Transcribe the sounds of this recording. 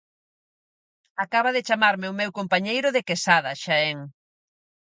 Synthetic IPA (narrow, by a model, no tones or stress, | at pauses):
akaβaðɪt͡ʃamaɾmɪʊmewkompaɲejɾʊðekesaðɐʃaɛŋ